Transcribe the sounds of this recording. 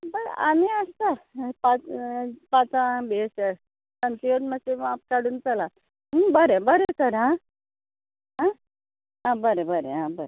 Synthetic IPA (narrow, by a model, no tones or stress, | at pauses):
bəɽa̰miəst̪apat͡spat͡sãbeseɽ | kənt̪ioʈməseap̚kaɽuːnt͡sala | bəɾebəɾek̪əɾɦã | ɦã | ɦãbəɾebəɾḛɦãbəɾe